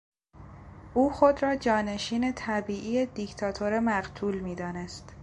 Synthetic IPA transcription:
ʔuːxo̞d̪ɾɒːd͡ʒɒːne̞ʃiːne̞t̪ʰæbiːʔijed̪ict̪ʰɒːt̪ʰoɾemæɢt̪ʰuːlmiːd̪ɒːne̞st̪

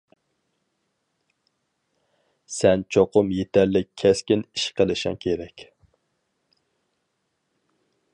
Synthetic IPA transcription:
sɛnt͡ʃʰoqʊmjet̪ʰɛɾlɪkʲʰɛskʲiniʃqʰəlˠɨʃɪ̰ŋkʲʰeɾɛkʲ

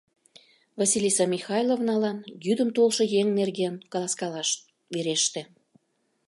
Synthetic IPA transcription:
vɑsʲilʲisɑmʲixɑjlovnɑlɑnjyd̪əmt̪olʃŏjeŋnerɣenkɑlˠɑskɑlɑʃ | βeɾeʃt̪ĕ

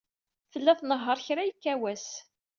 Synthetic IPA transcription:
fəlːæθnəɦːəɾˤçɾæjəkːæwæs

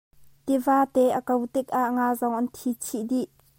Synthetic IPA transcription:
t̪ivaːt̪ɛʔəkɐwt̪ɪk̚ʔaʔŋaːzɔŋʔɐnt̪ʰit͡sʰiʔdiʔ

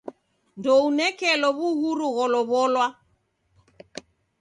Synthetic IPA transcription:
ndɔunɛkɛlɔβuɣuɾuɣɔlɔβɔlwa

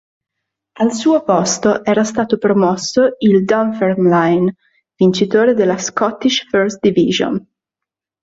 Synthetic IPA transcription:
alsuːopɔst̪oʔɛːɾast̪aːt̪opɾomɔsːoild̪ɔɱfermlajn | vint͡ʃit̪oːɾed̪elːaskɔt̪ːiʃførst̪d̪ivḭʒo̰n

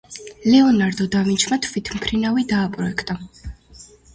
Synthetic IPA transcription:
lɛɔnaɾd̪ɔd̪avint͡ʃʰmat̪ʰvit̪ʰmpʰɾinavid̪aːpʼɾɔɛkʰt̪ʼa

